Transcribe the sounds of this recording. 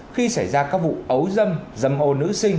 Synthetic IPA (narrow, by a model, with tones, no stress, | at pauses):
xi˧sa˧˩jzaː˧kaː˦˥k̚vṵ˧˨ʔə˨˦wzə˧mzə˨˧˩mʔo˧˩nɨ̰˧˥sï˧ŋ̟